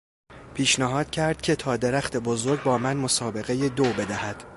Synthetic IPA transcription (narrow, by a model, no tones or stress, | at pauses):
pʰiːʃnæɦɒːd̪̥cʰæɾd̪̥cʲʰe̞t̪ʰɒːd̪eɾæxt̪ʰe̞bozo̞ɾɟ̚bɒːmænmo̞sɒːbe̞ɣe̞jed̪obe̞d̪æhæd̪̥